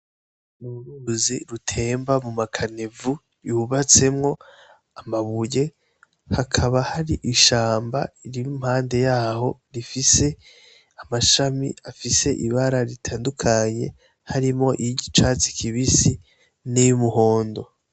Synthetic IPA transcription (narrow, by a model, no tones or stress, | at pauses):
nuɾuziɾutʰe̞ːmbamumakʰane̞vu | ɾiuβat͡se̞mŋo̞ | amaβuje̞ | hakʰaβahaɾiʔiʃaːmba̰iɾimumhaːnde̞jaːho̞ɾifise̞ | amaʃamḭafise̞ʔiβaɾaɾitʰaːndukʰaɲe̞ | haɾimŋo̞ʔiɟit͡ʃat͡si̥kʰiβisi | nejumuho̞ːndo̞